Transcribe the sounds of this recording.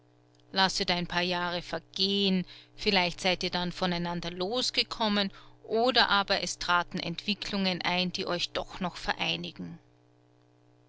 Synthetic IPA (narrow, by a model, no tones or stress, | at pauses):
lasətaɪnpʰaːɐjaːʁəfɛɐɡ̥eːənfɪlaɪçtz̥aɪtiːɐdanfɔnaɪnandɐloːsɡ̥əkʰɔmənʔoːdɐʔaːbɐʔɛstʁ̥aːtn̩ʔɛ̰ntv̥ɪkʰlʊŋənʔa̰ɪnd̥iːʔɔʏçd̥ɔχnɔχfɛɐʔaɪnɪɡ̥ŋ̩